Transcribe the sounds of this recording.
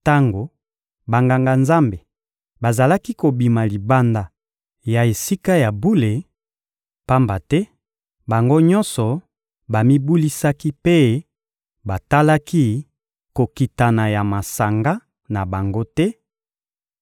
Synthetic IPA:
ta˦ŋɡo˨ | ba˨ŋɡa˨ŋɡa˨nza˦mbe˨ | ba˨za˨la˦ki˦ko˨bi˨ma˨li˨ba˦nda˨ | ja˨e˨si˦ka˦ja˨bu˦le˨ | pa˦mba˨tɛ˦ | ba˨ŋɡo˦ɲɔ˦nsɔ˨ | ba˨mi˦bu˦li˦sa˦ki˦pe˦ | ba˨ta˦la˦ki˦ | ko˨ki˨ta˨na˨ja˨ma˨sa˨ŋɡa˦ | na˨ba˨ŋɡo˦tɛ˦

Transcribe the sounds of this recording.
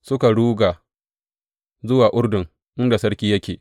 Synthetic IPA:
sʊ˦ka˨ɽuː˦ɡa˨ | zʊ˦waː˨ʔʊ˦ɽdʊ˨ŋ | ʔɪ˦nda˨sɐ˦ɽkʲiː˦jɐ˦kʲḛː˨

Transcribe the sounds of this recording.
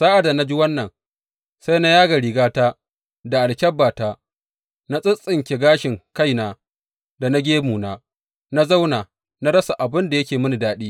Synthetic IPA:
saː˦ʔa˨da˨na˦d͡ʒi˦wɐ˦nːɐ˨ŋ | sa˦jna˦jaː˦ɡa˨ɾi˨ɡaː˦taː˦ | da˨ʔa˨lkʲɐ˦bːaː˨taː˦ | na˦sʼɪ˦sʼɪ˨ŋkʲe˨ɡaː˦ʃɪ˨ŋka˦jnaː˨ | da˨na˦ɡʲeː˦muː˨naː˦ | na˦za˦wnaː˨ | na˦ɽɐ˦sa˨ʔa˨bɪ˦nda˨jɐ˦kʲeː˨mɪ˦ni˨daː˦ɗiː˦

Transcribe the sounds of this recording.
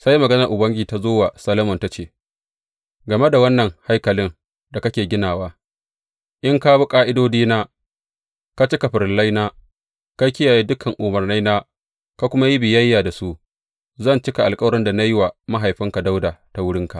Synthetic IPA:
sa˦jmɐ˨ɡɐ˦nɐ˨rʔʊ˨bɐ˦ŋɡʲiː˨ta˦zoː˦wa˨sɐ˦lo˦mɔ˨nta˦t͡ʃeː˦˨ | ɡɐ˨me˦da˨wɐ˦nːɐ˨ŋha˦jkɐ˨lɪ˦ŋ | da˨kɐ˦kʲeː˨ɡʲɪ˦naː˨waː˦ | ʔɪ˦ŋka˦bʊ˦kʼaː˦ʔɪ˦doː˦diː˦naː˦ | ka˦t͡ʃɪ˦ka˨ɸɪ˨ɾla˦jnaː˦ | ka˦kʲɪ˦jaː˨jiː˦dʊ˦kʰɐ˨ŋʔʊ˨mɐ˨rna˦jnaː˦ | ka˦kʷʊ˦ma˦ji˦bɪ˨jɐ˦jːaː˨da˨su˦ʔ | zɐ˦˨nt͡ʃɪ˦ka˨ʔa˨lkʼɐ˦wɾɪ˦nda˨na˦ji˦wa˨ma˦ɦa˨jɸɪ˦ŋka˨da˦wdaː˨ta˨wʊ˦ɽɪ˦ŋka˨

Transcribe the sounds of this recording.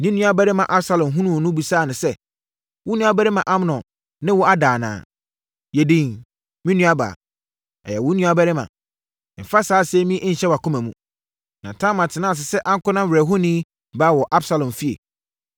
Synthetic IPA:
nĩ˦nũ˦a˦bɛ˦ɾɪ˦mã˨ʔa˦bsa˦lɔ̃˨mɦũ˦nũ˦˨nʊ̃˦bu˨saː˦˨nʊ̃˨sɛ˦ | wʊ˦nũ˦a˦bɛ˦ɾɪ˦mã˨ʔa˦m˦nɔ̃˨ | nɪ̃˦wʊ˦a˦daː˨nã̰ː˨ | jɛ˨dĩ˨ŋ | mĩ˦nũ˦a˦ba̰˨ | ɛ̰˨jɛ˨wʊ̃˨˦nũ˦a˦bɛ˦ɾɪ˦mã̰˨ | m̩˨fa˦saː˨˦sɛ˦mĩ˦ʔɲ̩˦˨ɕɛ˦wa˨kʊ˦mæ̃˨mṵ̃˦ | nã˨tʰã˦mã˨tʰɪ˨nã˦˨s̬ɪ˨sɛ˦ʔã˦ŋ̩˦kʊ˦nã˦m̩˨ɾɛ˨ɦʊ˦nĩ˦ | baː˦wɔ˨ʔa˦bsa˦lɔ̃˨mfi˦ḛ˨

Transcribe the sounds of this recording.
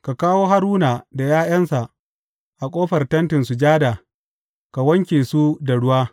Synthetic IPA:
ka˨kaː˦woː˦ɦa˦ɾuː˦naː˨da˨jaː˦j̰ɐ˦nsa˨ʔ | ʔa˨kʷʼoː˦ɸɐ˨rtɐ˦ntɪ˨nsu˨d͡ʒaː˦da˨ | ka˨wɐ˦ŋkʲeː˨su˦da˨ɽʊ˦waː˦

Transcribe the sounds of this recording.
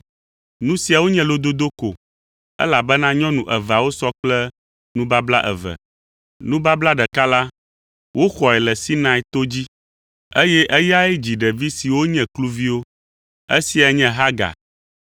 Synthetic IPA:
nũ˦si˨a˨wo˦ɲɛ̃˦lo˦d̪o˦d̪o˦ko̰˨ | ɛ̰˦la˨bɛ˦nã˦ɲɔ̃˦nũ˨ʔɛ˨va˨wo˦sɔ˦k͡plɛ˦ | nũ˦ba˦bla˦ʔɛ̰˨və̰˨ | nũ˦ba˦bla˦ɖɛ˨ka˦la˦ | wo˦xɔ˨ɛ˨lɛ˨si˦nã˦i˦t̪o˦d͡ʑi˦ | e˦jɛ˦ʔe˦ja˦ɛ˦d͡ʑi˨ɖɛ˨vi˦si˨wo˦ɲɛ̃˨klu˦vi˦wo˦ | ḛ˦si˨a˨ɲɛ̃˦ɦa˦ɡa̰˨

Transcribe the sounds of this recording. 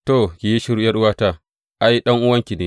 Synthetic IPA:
toː˦˨kʲi˨ji˦ʃɪ˦ɾjɐ˦ɽwaː˦ta˦ | ʔa˦ji˦ɗɐ˦ŋʔʊ˦wɐ˦ŋkʲi˨neː˦

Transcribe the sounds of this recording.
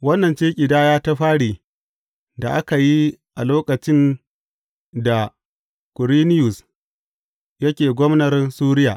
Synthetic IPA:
wɐ˦nːɐ˨nt͡ʃeː˦kʲʼɪ˨daː˦jaː˦ta˦ɸaː˦ɽiː˨ | da˨ʔa˦ka˨ji˦ʔa˨loː˦kɐ˨t͡ʃɪ˦n | da˨ | kʊ˨ɾiː˦nɪ˦jʊ˨s | jɐ˦kʲeː˨ɡʷɔ˦mnɐ˨rsuː˦ɾɪ˦ja̰ː˨ʔ

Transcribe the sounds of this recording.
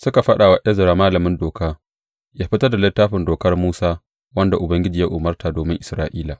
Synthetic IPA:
sʊ˦ka˨ɸɐ˦ɗa˨wa˦ʔɐ˦zɐ˨ɾaː˨maː˦lɐ˨mɪ˦ndoː˨kaː˦ | jaː˦ɸɪ˦tɐ˦rda˨lɪ˦tːaː˦ɸɪ˨ndoː˨kɐ˦rmuː˦saː˦ | wɐ˦nda˨ʔʊ˨bɐ˦ŋɡʲɪ˦d͡ʒiː˨ja˦ʔʊ˨mɐ˦rtaː˨doː˨mɪ˦ŋʔɪ˨sɾaː˦ʔiː˦laː˨

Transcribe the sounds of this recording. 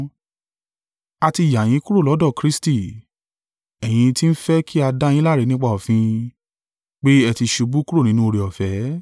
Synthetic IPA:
a˧ti˧˨ja˨j̃ĩ˨˦ku˦ɾo˦˨lɔ˨˦dɔ˦˨kɾi˦sti˦˨ | ɛ˨j̃ĩ˧ti˦n̩˦fɛ˦kʰi˦a˧da˦j̃ĩ˦la˦˨ɾe˨˧nĩ˦k͡pa˦˨ɔ˨fĩ˧ | k͡pe˦ɛ˧ti˧ʃu˧bu˦ku˦ɾo˦˨nĩ˦nũ˦o˧ɾe˨ɔ˨fɛ˨˦

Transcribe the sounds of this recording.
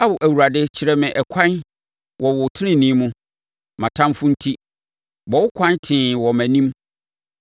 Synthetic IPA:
a˦bʊ˨ʔæ˨wu˨ɾa˨dɪ˦t͡ɕʰɪ˨ɾɛ˨mɪ̃˨ʔɛ˨kʷʰã˦n | wʔɔ˨wʊ˨tʰɪ˦nɪ̃˦nĩ˦mʊ̃˦ | mã˨tʰã˦mfʊ̃˦n̩˦tʰi˦ | bɔ˨wʊ˦kʷʰã˦ntʰɪ̃˨wɔ˨mæ̃˨nĩ˦m

